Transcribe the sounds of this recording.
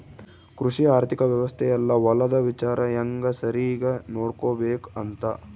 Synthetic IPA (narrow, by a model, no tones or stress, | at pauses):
kɾuʂiaːɾt̪ʰikɐʋjɐʋɐst̪ʰɛjɐlːɐʋɐlɐd̪ɐʋit͡ʃaːɾʔɐjɐŋɡɐsɐɾiɡɐnoːɽkoːbeːkɐnt̪ɐ